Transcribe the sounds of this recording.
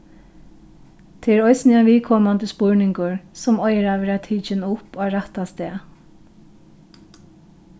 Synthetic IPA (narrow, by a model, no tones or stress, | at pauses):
t̪ʰɪɾɔjsnɪaʋiːkʰɔːmand̪əspʊɹnɪŋkʊɹsɔmɔjɾaʋɛɾat̪ʰiːt͡ʃɪnʊpoaɹat̪ast̪eː